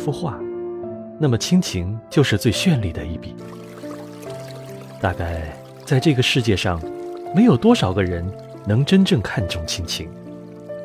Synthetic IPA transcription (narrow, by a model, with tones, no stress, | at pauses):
fu˥xwa˥˩ | na˥˩mə˩t͡ɕʰi˥ŋt͡ɕʰi˧˥ŋt͡ɕjo˥˧ʊʂɻ̩˥˧t͡swe˥˧ɪɕɥɛ˥˧nli˥˩d̪ə˩i˥˩pi˨˩˦ | t̪a̰˥˧ka˥˩ɪ | t͡sa˥˧ɪʈ͡ʂɤ˥˩ɡə˩ʂɻ̩˥˧t͡ɕjɛ˥˧ʂɑ˥˩ŋme˧˥ɪjo˨˩ʊt̪wɔ˥ʂɑ˨˩ʊɡə˧˦ɻə˧˥n | nɤ˧˥ŋʈ͡ʂə˥nʈ͡ʂɤ˥˩ŋkʰa˥˧nʈ͡ʂʊ˥˩ŋt͡ɕʰi˥ŋt͡ɕʰi˧˥ŋ